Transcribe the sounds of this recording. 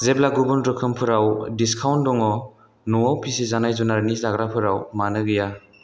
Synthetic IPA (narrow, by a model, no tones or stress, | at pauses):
zeblaɡubɔndɾɯkʰɯmpʰɯɾawdiskʰawndɔŋɔ | nɔwawpʰisizanajzunaɾnizaɡɾapʰɯɾawmanɯɡɯja